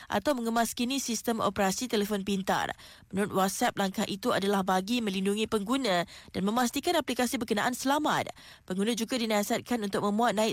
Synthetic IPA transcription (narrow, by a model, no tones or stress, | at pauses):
ʔa̰t̪awmə̃ŋəmaskinĩsist̪əmo̰pəɾasit̪elefɔnpint̪a̰r | mənuɾʊt̪̚wɔt̪̚sɛp̚laŋkahʔit̪uadalahbaɡimə̃linduŋĩpəŋɡunãdanmə̃mast̪ikanaplikasibərkənaʔansəlama̰t̪̚ | pəŋɡunãd͡ʒuɡadinasat̪̚kanunt̪ʊk̚mə̃muat̪̚naɪ